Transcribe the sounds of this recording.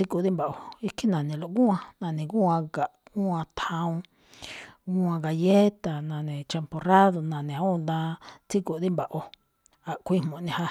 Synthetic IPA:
t͡si˦ko˧˨d̪i˦mba˨ʔo˧i˦ki˦nã˨nĩ˨lo˨ʔɡũ˦ã˧nã˧˨nĩ˨ɡũ˦ã˧ɡa˨ʔũ˦ã˧t̪ʰã˧ũ˧ | ɡu˦ã˧ɡa˧je˦t̪a˨nã˨nĩ˨t͡ʃa˧mpo˧ra˦ðo˨nã˨nĩ˨˧˦ũ˦˧nd̪ã˧t͡si˦ko˨d̪i˦mba˨ʔo˧ | a˨ʔkʷi˦hmõ˨nĩ˧ha˧

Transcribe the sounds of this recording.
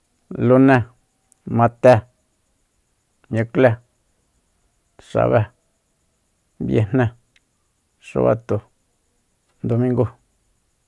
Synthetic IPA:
lu˦nẽ˦ | mã˧t̪e˦ | ɲũ˧kle˦ | ʂa̰˨βe˦ | bjḛ˧n̥nẽ˦ | ʂṵ˧βa̰˦t̪u˨ | nd̪o˧mĩ˦ŋɡu˦˨

